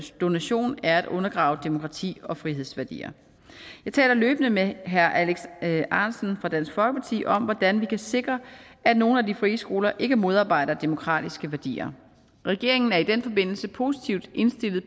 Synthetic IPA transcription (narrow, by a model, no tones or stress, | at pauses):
d̥o̝næɕo̝̰ːnæɐæd̥ɔ̽nɐɡ̥ʁɑ̈ʊd̥e̝mo̝kʰʁɑ̈t͡sʰḭːɒ̽fʁiɦe̝ð̞̰ˠsʋæɐd̥ḭːɐ̰ | jɑ̈ɪt͡sʰɛ̰ːlɐløːb̥ənəmeɦæɐʔæleɡ̥sɑ̈ːnsn̩fʁɑ̈d̥æn̰sɡ̥fɒ̽lɡ̥əpʰɑt͡sʰḭːʔɒ̽mʋɒd̥ænʋikʰæse̝ɡ̥ʁɐæd̥no̝ːn̩ædifʁiːsɡ̥o̝̰ːlɐʔe̝ɡ̥əmo̝ð̞ˠɑ̈ːb̥ɑ̈ɪ̰ɾ̥ɐd̥e̝mo̝kʰʁɑ̰̈ːd̥isɡ̥əʋæɐd̥ḭːɐ | ʁɛɡ̥e̝ɐ̰eŋn̩æɐid̥en̰fɒ̽be̝n̰l̩səpʰo̝si̥t͡sʰiʊd̥ʔe̝nsd̥e̝lð̩ˠ